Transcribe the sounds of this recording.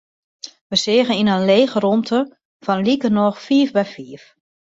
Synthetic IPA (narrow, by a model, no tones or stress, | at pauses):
ʋəsɪːɣəninənleːxəromtʰə | fɔnlikənɔxfiːfbɛjfiəf